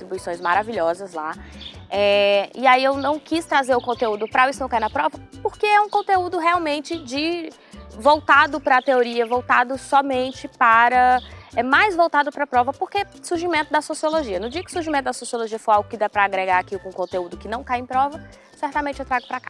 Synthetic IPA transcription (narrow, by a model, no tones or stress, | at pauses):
t̪ɾibuisõj̃zmaɾaviʎɔzɐzla̰ | ɛɪaiewnɐ̃w̃kist̪ɾazeɾʊkõnt̪eud̪ʊpɾaisʊnɐ̃w̃kajnɐpɾɔvɐpoɾkeɛũkõnt̪eud̪ʊɦeawmẽnt͡ʃɪd͡ʒɪ | vowt̪ad̪ʊpɾɐt̪eoɾiɐvowt̪ad̪ʊsɔmẽnt͡ʃɪpaɾɐɛmajzvowt̪ad̪ʊpɾɐpɾɔvɐpoɾke | suɾʒimẽnt̪ʊd̪ɐsosioloʒiɐnʊd͡ʒiɐkɪ̥suɾʒimẽt̪ʊd̪ɐsosioloʒiɐfojawɡʊkɪd̪apɾɐːɡɾeɡaɾakiʊkõkõt̪eud̪ʊkɪnɐ̃w̃kajẽj̃pɾɔvɐ | sɛɾt̪amẽnt͡ʃɪewt̪ɾaɡʊpɾakḁ